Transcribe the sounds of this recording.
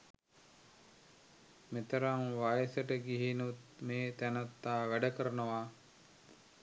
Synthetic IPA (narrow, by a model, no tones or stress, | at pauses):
met̪əɾaŋʋajəsəʈəɡiɦinut̪meːt̪ænat̪ːaːʋæɖəkəɾənəʋa